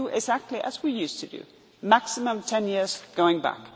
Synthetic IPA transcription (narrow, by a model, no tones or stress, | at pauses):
ʔɪɡzæk̚tʰˡliʔɨzwijʉstʰɨdɨ̰ | mæksɨmə̃mtʰɛ̃njɪɹz̥ɡ̥oʊɪ̃ŋbæ̰k